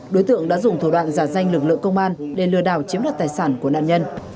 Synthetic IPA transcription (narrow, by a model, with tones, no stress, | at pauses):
ɗo˨˦jt̪ɨ̰˧˨əŋɗa̰ː˧˥zʊ˨˩ŋ͡mt̪ʰu˧˩ɗwa̰ː˧˨nzaː˧˩za˧jŋlɨ˨˩k̬̚lɨ̰˧˨əŋkə˧wŋ͡mʔaː˧nɗe˨˩lɨ̰˨˧˩əɗa̰ː˧˩wt͡ɕi˨˦mlaː˨˩t̚t̪aː˨˩jsaː˧˩nku˧˩əna̰ː˧˨nɲə˧n